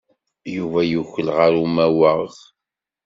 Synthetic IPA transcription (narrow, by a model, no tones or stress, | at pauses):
juvæjuçəlʁaɾumæwəʁ